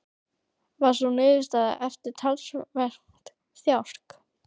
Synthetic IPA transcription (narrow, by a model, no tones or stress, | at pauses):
vaɾ̥sunɪːðɪst̪aða̰ʔɛft̪ɪɾ̥t̪ʰalsvɛr̥ŋt̪ | θjawr̥k